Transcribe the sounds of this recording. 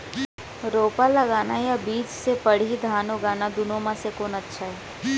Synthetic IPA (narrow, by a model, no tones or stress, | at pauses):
ɾoːpalɐɡaːnajabiːd͡ʒsepɐɽ̤id̪ʱaːnoɡaːnad̪ʊnõmãsekoːnɐtːʃʰaɦɛː